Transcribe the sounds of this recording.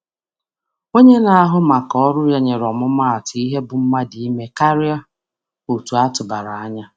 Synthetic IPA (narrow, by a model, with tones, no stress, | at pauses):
ŋo˦ɲe˦na˨a˦ɦʊ˦ma˨kɔ˦ɾʊ˦ja˦ɲe˨ɾɔ˨mʊ˦ma˦a˨tʊ˨i˦ɦe˦bʊ˨m̩˦ma˦di˦me˦ka˦ɾɪ˦a˦ | o˨tu˨a˦tʊ˨ba˨ɾa˨a˦ɲa˦